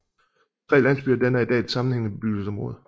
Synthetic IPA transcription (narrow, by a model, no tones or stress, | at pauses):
t͡sʰʁɛ̰ɪlæn̰sb̥yːɐd̥enæɐid̥ɛ̰̥ːsɑ̈mn̩heŋ̰əb̥eb̥yɡ̥l̩sɒ̽mʁɔ̽ːð̞̩ˠ